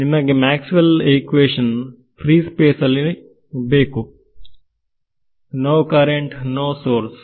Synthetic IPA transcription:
nimɐɡemæːksimɐlekʋeːʂɐn | pʰɾiːspeːsɐlːi | beːku | noːkɐɾeɳʈnoːsoːɾs

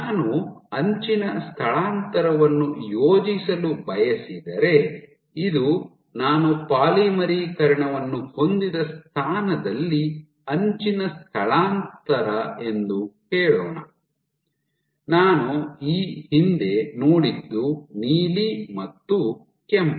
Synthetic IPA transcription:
naːnuɐɲt͡ʃinɐst̪ʰɐɭaːnt̪ɐɾɐʋɐnːujoːd͡ʒisɐlubɐjɐsid̪ɐɾe̞ | id̪u | naːnupaːlimɐɾiːkɐɾɐɳɐʋɐnːuho̞nd̪id̪ɐst̪ʰaːnɐd̪ɐlːi | ɐɲt͡ʃinɐst̪ʰɐɭaːnt̪ɐɾɐe̞nd̪ukɛːɭo̰ːnɐ | naːnuiːhind̪e̞noːɽid̪ːuniːlimɐt̪ːu | kemp

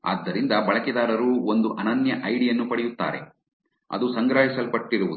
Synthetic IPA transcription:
a̰ːd̪ːɐɾind̪ɐbɐɭɐkɛd̪aːɾɐɾuːond̪uʔɐnɐnjɐʔɐjɽijɐnːupɐɽɛjut̪ːa̰ːɾḛ | ɐ̰d̪usɐŋɡɾaːɦisɐlpɐʈːiɾuʋud̪u

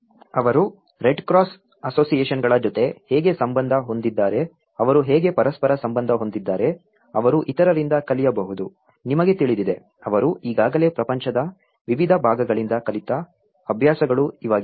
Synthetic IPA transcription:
ɐʋɐɾu | ɾe̞ɖkɾaːs | ɐso̞ːsijeːʃɐnɡɐɭɐd͡ʒot̪e̞hɛːɡe̞sɐmbɐnd̪ʱɐɦo̞nd̪id̪ːaːɾe̞ | ɐʋɐɾuɦeːɡe̞pɐɾɐspɐɾɐsɐmbɐnd̪ʱɐɦo̞nd̪id̪ːaːɾe̞ | ɐʋɐɾuʔit̪ɐɾɐɾind̪ɐkɐlijɐbɐɦud̪u | nimɐɡe̞t̪iɭid̪id̪e̞ | ɐʋɐɾuʔiːɡaːɡɐle̞ːpɾɐpɐɲt͡ʃɐd̪ɐ | ʋiʋid̪ʱɐbʱaːɡɐɡɐɭind̪ɐkɐlit̪ɐ | ɐbʱjaːsɐɡɐɭuiʋaːɡi

